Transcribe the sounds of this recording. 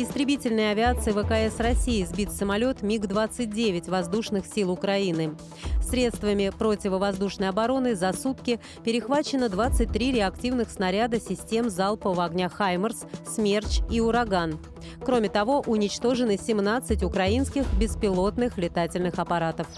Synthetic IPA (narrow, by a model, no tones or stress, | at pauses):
ɪst̪ɾʲɪbʲitʲɪlʲnəjəɐvʲɪat̪sɨjɪvəkɐɛsrɐsʲijɪzbʲit̪səmɐlʲo̞t̪mʲiɡd̪vat̪sɨt̚ʲdʲevʲɪtʲvɐzd̪uʂnɨxsʲilˠʊkɾɐinɨ | sʲɾʲe̞t̪st̪vəmʲɪpɾo̞tʲɪvəvɐzd̪uʂnəjɐbɐɾo̞nɨzɐsut̪kʲɪ | pʲɪɾʲɪxvat͡ɕɪnəd̪vat̪sɨt̚ʲt̪ɾʲiɾʲɪɐktʲivnɨxsnɐɾʲad̪əsʲɪsʲtʲe̞mzalˠpəvəɐɡnʲaxajmərssmʲe̞rt͡ɕiʊɾɐɡan | kɾo̞mʲɪt̪ɐvo̞ʔʊnʲɪt͡ɕt̪o̞ʐɨnɨsʲɪmnat̪sɨtʲʊkɾɐinskʲɪxbʲɪspʲɪlˠo̞t̪nɨxlʲɪt̪atʲɪlʲnɨxɐpɐɾat̪əf